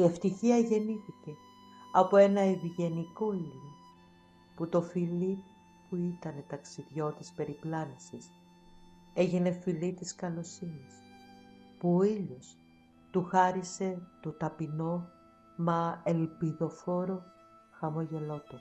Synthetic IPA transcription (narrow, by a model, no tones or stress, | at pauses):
ie̞ft̪içiɐʝe̞niθice̞ | ɐpo̞e̞nɐiviʝe̞niko̞iʎo | put̪o̞filip | puit̪ɐne̞t̪ɐksiðʝo̞t̪ispe̞ɾiplɐnisis | e̞ʝine̞filit̪iskɐlo̞sinis | puoiʎos | t̪uxɐɾise̞t̪ot̪ɐpino̞ | mɐelpiðo̞fo̞ɾo̞ | xɐmo̞ʝe̞lo̞t̪o